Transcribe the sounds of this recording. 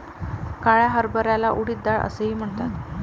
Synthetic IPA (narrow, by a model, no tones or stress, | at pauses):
kaɭjaɦəɾbəɾjalaʔuɽiːt̪̚d̪aɭə̰seɦiːm̤əɳt̪at̪